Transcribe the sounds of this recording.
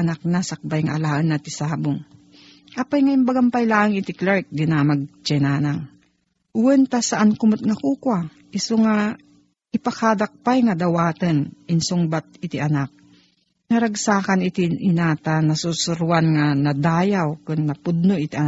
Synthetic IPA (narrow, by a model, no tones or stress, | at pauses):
nak̚nasak̚bajŋaʔːlaːʔɐnːɐt̪ɪsaːbʊŋ | ʔapajŋajʊmbɐɡampajlaːʔəŋɪt̪ɪklaɹk̚d̪ɪnamɐɡ̚t͡ʃɛnaːnaŋ | ʔʊwɛnt̪asɐʔankʊmot̪̚ŋɐkuːkwa | ʔɪsoŋa | ʔɪpakad̪ak̚pajŋɐd̪ɐwaːt̪ɐnʔɪnsʊŋbat̪̚ɪt̪ɪʔɐnak̚ | nɐɾɐɡsaːkanɪt̪iʔɪnat̪anɐsusʊɾwanŋanɐd̪aːjawkʊnːɐpʊd̪̚noʔɪt̪iʔ